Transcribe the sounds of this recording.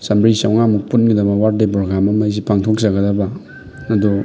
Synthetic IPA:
sɐmbɾisawŋamuk̚punɡidɐbɐwaɾdep̬ɾoɡɾamɐmajs̬ipʰaŋtʰok̚zɐɡɐdɐba | ɐdu

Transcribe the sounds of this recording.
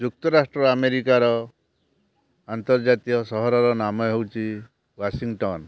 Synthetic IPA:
d͡ʒuk̚t̪ɔɾasʈɾɔameɾikaɾɔ | ant̪ɔɾd͡ʒat̪ijɔsɔɦɔɾɔɾɔnamɔɦewt͡ʃʰi | wasiŋʈɔn

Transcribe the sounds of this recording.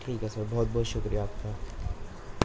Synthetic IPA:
ʈʰiːkɛsəɾbɔːɔt̪̚bɔɦːt̪ʃʊkɾijaːp̚ka

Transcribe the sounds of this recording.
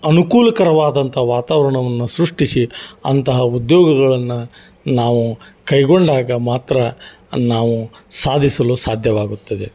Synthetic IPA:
ɐnukuːlɐkɐɾɐʋaːd̪ɐnt̪ɐɦɐʋaːt̪aːʋɐɾɐɳɐʋɐnːusɾuʂʈisiɐ̰nt̪ɐɦɐud̪joːɡɐɡɐɭɐnːu | naːʋukɐjɡo̞ɳɖaːɡɐmaːt̪ɾɐ | naːʋusaːd̪ʱisɐlusaːd̪ʱjɐʋaːɡut̪ːɐd̪e̞̰

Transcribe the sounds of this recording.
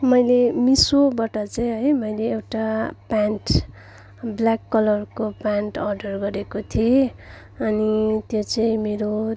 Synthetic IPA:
mʌjlemisobaʈʌt͡sʌĩɦʌjmʌjleːwʈapanʈ | blakːʌlʌrkopanʈʌrɖʌrɡʌɾekot̪ʰie | ʌnit̪jot͡sʌĩmeɾo

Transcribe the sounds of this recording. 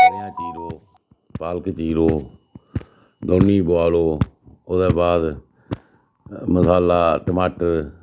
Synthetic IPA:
ɾjãːt͡ʃiːɾoː | paːlkt͡ʃiːɾoː | d̪oːnːiːboaːloː | oːd̪ɛːbaːd̪ | məsaːlaːʈəmaːʈəɾ

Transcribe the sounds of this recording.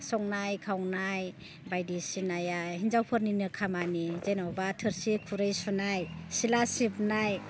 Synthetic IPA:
sɔŋnajkʰawnaj | bajdisinajajhinzawpʰɯɾninɯkʰamanizenɔwbatʰɯɾsikʰuɾɯjsunajsilasip̚naj

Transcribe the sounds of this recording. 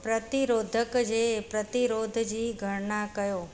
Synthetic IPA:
pɾət̪iɾod̪ʱəkd͡ʒepɾət̪iɾod̪ʱd͡ʒiɡʱəɾnakəjo

